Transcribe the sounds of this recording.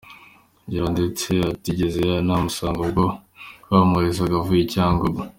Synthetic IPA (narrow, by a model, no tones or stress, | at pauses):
ɲɟiɾandet͡seatiɟezeanamusaːŋɡoɡokwaːmuɾes̬aɡavujicaːŋɡobo